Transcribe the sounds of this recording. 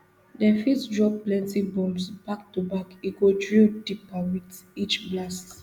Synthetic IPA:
dɛ̃fisdɹɔp̚plɛ̃ntĩbɔ̃msb̥ak̚tubakiɡodɹildipawitit͡ʃblast

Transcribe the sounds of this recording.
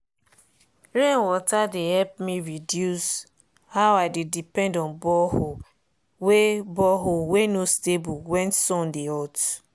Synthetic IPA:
ɹẽnwɔtadehɛp̚miɹidjus | hawadedipɛ̃ndɔ̃nbɔho | webɔɦowenostebuwɛ̃nsɔ̃ndeɔt

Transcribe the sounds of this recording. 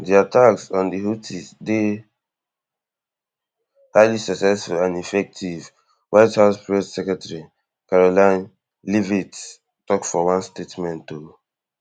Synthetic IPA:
diatʰaksãndiɦutʰisde | haɪlisaksɛsfulãnifɛk̚tʰiv | waɪthaʊspɹɛsːɛkɹɛtaɹi | kaɹolãn | livit | tɔkfɔwãnstetmɛ̃nto

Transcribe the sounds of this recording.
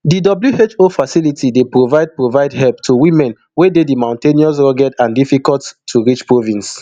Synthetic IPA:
didɔbljuet͡ʃofasilitʰidepɹovaɪd̚pɹovaɪdhɛlptʰuwĩmɛ̃n | wededimãʊ̃nteniɔs̬ɹɔɡɛtãndifikɔlttʰːuɹit͡ʃpɹovĩns

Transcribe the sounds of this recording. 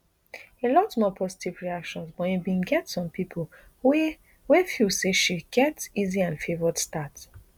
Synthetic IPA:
elɔtmɔpʰɔzi̥tʰivɹiakʃɔ̃nsbɔjibĩnɡɛtsɔ̃mpʰipʰol | wɛfiseʃiɡ̥ɛtiziãnfevədstat

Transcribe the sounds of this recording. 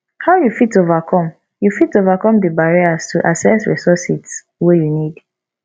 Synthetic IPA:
haʊjufitovakʰɔ̃m | jufitovakɔ̃mdəbaɹiastʰuʔasɛsɹḭsɔsi | wejunid

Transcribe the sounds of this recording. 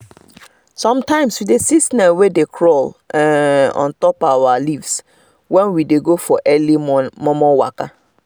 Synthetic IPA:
sɔ̃mtãɪ̃mswidesisnɛwedekʰɾɔlɛɔ̰̃ntɔpawalivs | wɛ̃nwideɡofɔʔɛlimɔ̃mɔ̃wa̰ka

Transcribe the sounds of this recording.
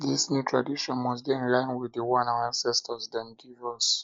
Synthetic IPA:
disnjutʰɹadiʃɔ̃nmɔs̬biɛ̃nlãɪ̃nwiðəwãnaãnsɛstʰɔsdãndivɔs

